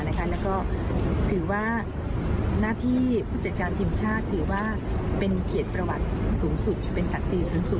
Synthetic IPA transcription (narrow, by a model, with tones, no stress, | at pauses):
na˦˥kʰa˦˥lɛː˦˥wkɔː˥˩t̪ʰɯː˩˦waː˥˩ | naː˥˩t̪ʰiː˥˩pʰuː˥˩t͡ɕa˨˩t̪̚kaː˧nt̪ʰiː˧mt͡ɕʰaː˥˩t̪ʰːɯː˩˦waː˥˩ | pe˧nkʰi˨˩ət̪̚pɾa˧wa˨˩t̪̚suː˩˦ŋsu˨˩t̪̚pe˧nsa˨˩k̚siː˧suː˩˦ŋsu˨˩t̪̚